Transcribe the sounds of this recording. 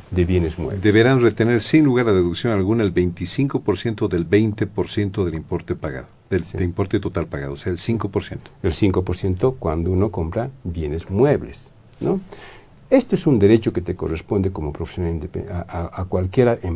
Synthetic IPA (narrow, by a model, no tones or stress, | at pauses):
d̪eβjenezmwḛβd̪eβeɾanret̪ene̞ɾsinluɣaɾlaðeðuksjo̞nalɣunaelβe̞jnt̪isiŋkopo̞ɾsje̞nt̪o̞ðelbejnt̪epoɾsje̞nt̪oðelimpoɾt̪epaɣa̰ðoeeimpo̞ɾt̪et̪ot̪alpaɣa̰ðoːseaelsiŋkopoɾsjent̪oelsiŋko̞poɾsje̞nt̪okwand̪ouno̞ko̞mpɾabjenezmweβles | no | e̞st̪oesund̪e̞ɾe̞t͡ʃo̞ket̪eko̞̰respo̞nd̪eko̞mopɾofe̥sjonalind̪epḛaakwalkjeɾaʔe